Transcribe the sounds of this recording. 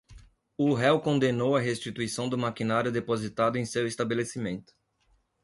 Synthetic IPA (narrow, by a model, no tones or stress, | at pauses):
ʊɦɛwkõnd̪enowɐɦest͡ʃit̪uisɐ̃w̃d̪ʊmakinaɾjʊd̪epozit̪ad̪ʊẽj̃sewest̪abelesimẽnt̪ʊ̥